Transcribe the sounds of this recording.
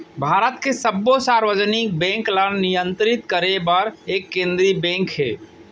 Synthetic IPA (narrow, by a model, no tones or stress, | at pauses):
bʱaːɾət̪kesəbːosaːɾwəd͡ʒənik̚bɛ̃ːŋklənnɪjə̃nt̪ɾɪt̪kəɾebəɾeːkːẽːnd̪ɾibɛ̃ːŋkɦɛ̰ː